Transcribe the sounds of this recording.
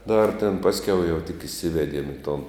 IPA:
dɐr tʲeːn ˈpɑːsʲˌkʲɛʊ jɛʊ tʲɪk ɪˈsʲɪʋʲɛdʲiɛm ɪ toːn

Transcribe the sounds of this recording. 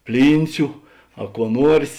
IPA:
ˈpʲlʲiːnʲt͡sʲʊ ɐ kuɔ ˈnuɔrʲsʲ

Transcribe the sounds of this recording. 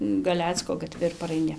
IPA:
ɡɐˈlʲæːt͡skoː ɡɐˈtʲʋʲɪ ɪr pɐrɐɪˈnʲɪ

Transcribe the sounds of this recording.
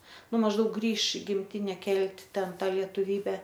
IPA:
ˈnʊ mɐʒˈdɐʊk ˈɡrʲiːʃ ɪ ɡʲɪmʲˈtʲɪnʲɛ ˈkʲɛlʲtʲ ˈtʲɛn ˈtɑː lʲiɛtʊˈʋʲiːbʲɛ

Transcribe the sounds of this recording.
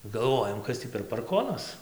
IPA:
ɡɐlˠˈʋoːjɛm ˈkɐs tʲiː pʲɛr pɐrˈkoːnɐs

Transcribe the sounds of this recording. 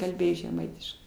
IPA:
kɐlʲˈbʲeːjoː ʒʲɛˈmɐɪtʲɪʃkɐɪ

